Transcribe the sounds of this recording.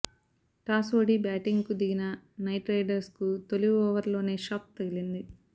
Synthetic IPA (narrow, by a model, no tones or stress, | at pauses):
ʈaːsoːɖibaːʈiŋɡkud̪iɡinɐnɐjʈɾɐjɖɐɾskut̪oluɡɔːʋɐɾlo̞ːne̞ːʃaːp̚t̪ɐɡilind̪i